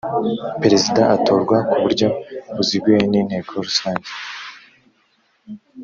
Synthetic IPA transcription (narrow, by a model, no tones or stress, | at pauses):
peɾe̞zidaʔato̞ːɾɡwakuβuɾɟo̞βuziɡɡwejeniːn̥he̞ːkʰoɾusaːɲɟe